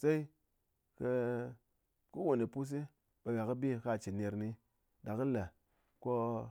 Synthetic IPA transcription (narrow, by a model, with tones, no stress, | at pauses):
sa˦i˦ | kə˧ | ku˦wo˨ni˨pu˦s̬i˦ | ɓa˨wa˨kɨ˦bi˦˨ka˦˨t͡ʃi˨ne˨ɾni˧ | da˨kɨ˦la˨ | ko˦